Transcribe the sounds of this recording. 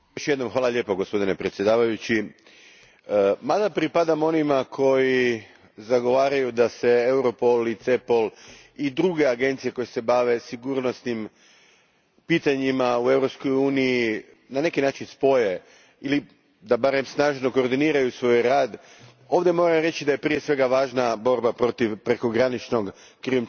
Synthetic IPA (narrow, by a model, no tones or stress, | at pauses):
joʃje̞d̪no̞mxʋaːlaʎe̞ːpoɡo̞spo̞d̪ine̞pɾet̪sje̞d̪aːʋajut͡ɕi | mad̪apɾipad̪amo̞nimakʰo̞ji | zaɡo̞ʋaːɾajud̪ase̞ewɾo̞po̞lit̪sepo̞lˠ | id̪ɾuɡe̞aɡe̞nt̪sije̞ko̞jese̞baʋe̞siɡuːɾno̞snim | piːt̪aɲimaue̞vɾo̞psko̞juːniji | nane̞kinaːt͡ʃinspo̞je̞ | ili | d̪abaɾe̞msnaːʒno̞ko̞ːɾd̪iniːɾajusʋo̞jɾaːd̪ | o̞ːʋd̪je̞mo̞ːɾamɾe̞t͡ɕid̪ajepɾije̞sʋe̞ɡaʋaːʒnabo̞ɾbapɾo̞t̪iʋpɾe̞ko̞ɡɾanit͡ʃno̞ɡ | kɾium